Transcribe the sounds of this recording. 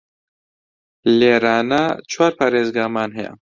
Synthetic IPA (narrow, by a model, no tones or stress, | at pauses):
leːɾaːnɐt͡ʃʰwaːɾpʰɐɾeːzɡaːmaːnɦɛjɐ̰